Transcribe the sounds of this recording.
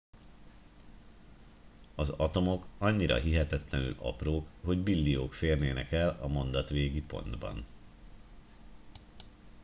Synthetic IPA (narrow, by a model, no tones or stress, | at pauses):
ɒzɒt̪o̞mo̞kɒɲːiɾɒ̰ɦiɦɛt̪ɛt̪lɛny̰lɒ̰proːkho̞ɟbilːioːkfeːrnḛːnɛkɛlɒmo̞nd̪ɒt̪ʋeːɡipo̞̰nd̪bɒ̰n